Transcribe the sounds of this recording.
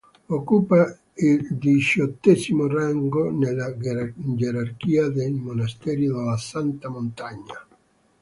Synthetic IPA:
okupa | ild̪it͡ʃɔt̪ːɛsimoraŋɡonelad͡ʒeɾarkiad̪elmonast̪ɛɾjoðelasant̪amont̪aɲːa

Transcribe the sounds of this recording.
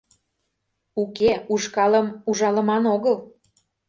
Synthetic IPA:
ukeuʃkɑləmuʒɑlə̆mɑnoɣəl

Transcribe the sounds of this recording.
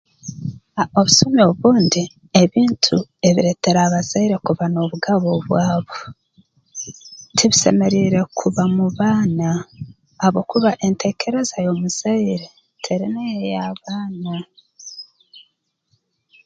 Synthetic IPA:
ao̞βusumeoβuːndi | e̞βiːntʰue̞βiɾe̞te̞ɾaβazaiɾe̞kuβanoβuɡaβoβwaːβo̞ | tʰiβise̞̰me̞ɾiːɾe̞kʰuβamuβaːnaː | βo̞kuβaʔentʰe̞ːkʰe̞ɾe̞zajo̞muz̥aiɾe | tʰeɾinejejaβaːna

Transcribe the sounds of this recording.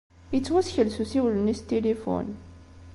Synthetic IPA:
ət͡sːwæsçəlsusiwlənist̪elifṵn

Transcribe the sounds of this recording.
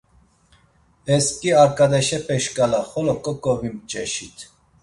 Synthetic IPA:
ɛskʼiaɾkʼad̪ɛʃɛpʼɛʃkʼalaχɔlɔkʼɔkʼɔvimt͡ʃʼɛʃit̪ʰ

